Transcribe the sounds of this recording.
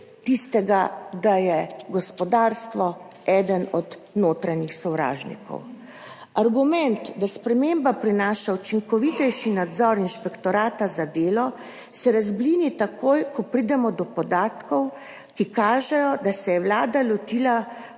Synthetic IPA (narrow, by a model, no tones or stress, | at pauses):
t̪ist̪ɛɡad̪ajɛɡɔspɔd̪aːɾst̪ʋɔ | ɛːd̪ənɔd̪ | noːt̪ɾaɲixsɔwɾa̰ːʒnḭkɔ̰w | aɾɡumɛnt̪d̪aspɾɛmembapɾinaːʃaut͡ʃiŋkɔʋit̪ɛjʃinad̪zɔɾinʃpɛkt̪ɔɾaːt̪azad̪eːlɔ | sɛɾazblinit̪akʰojkʰɔpɾid̪ɛmɔd̪ɔpɔd̪aːt̪kɔw | kikaːʒɛjɔd̪asɛjɛwlaːd̪alɔt̪iːla